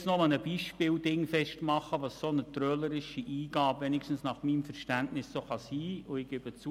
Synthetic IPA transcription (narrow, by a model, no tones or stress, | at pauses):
snomənəb̥iːʃpɪːldɪŋfɛʃtmɑχəʋɑssonətɾœləɾɪʃiʔiːɡ̥ɑːbʋɛnɪkʃtn̩snɑχmiːmfəɾʃtæntnɪsːoːχɑsiːʊɪɡ̥ɪb̥ət͡su